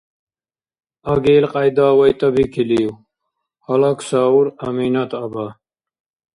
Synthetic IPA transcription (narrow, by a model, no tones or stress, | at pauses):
ɐɡeːlqʼajd̪aːwɐjt̪ʼɐbikʰiliːw | hɐlɐksaːuɾɐmiːnɐt̪ʰɐba